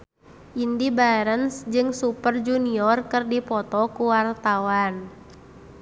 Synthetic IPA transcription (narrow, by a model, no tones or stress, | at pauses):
ʔindibaɾənsd͡ʒɨŋsupərd͡ʒuniɔrkɨrdipɔt̪ɔkuwart̪awan